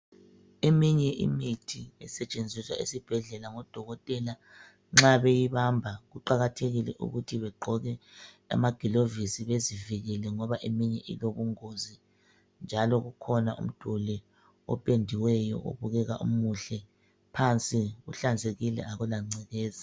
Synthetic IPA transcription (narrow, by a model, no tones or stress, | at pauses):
emiɲɛʔḭmitʰiɛsɛt͡ʃʼend͡zʱiswa̰ʔḭsib̥ʱɛɮɛlaŋɔd̥ʱɔɣɔtʼɛla | ŋ͡ǁaβejiβambʱaɣuǃaɣatʰeɣilɛ̰ʔṵɣutʰiβɛɡ͡ǃʱɔɣɛ | a̰maɡ̥ʱilovisiβeziviɣɛlɛŋɔβaʔemiɲɛʔḭloβuŋozi | nd͡ʒʱalɔɣukʰɔnaʔṵm̩d̥ʱulɛ | ɔ̰pʼendʱiwɛjɔ̰ʔo̰βuɣɛɣa̰ʔṵmuɬɛ | pʰant͡sʼiɣṵɬand͡zʱeɣilɛ̰aɣulaŋ͡ǀɛɣɛːza